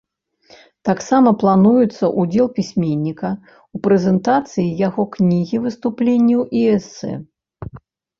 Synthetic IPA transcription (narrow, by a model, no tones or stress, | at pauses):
t̪aksamɐplˠanujut̪sːɐʔud͡zʲɛlˠpʲisʲmʲenʲːikɐ | upɾɛzʲɛnt̪at̪sɨjijaɣɔknʲiɣʲivɨst̪uplʲenʲːɛwiɛsːɛ̰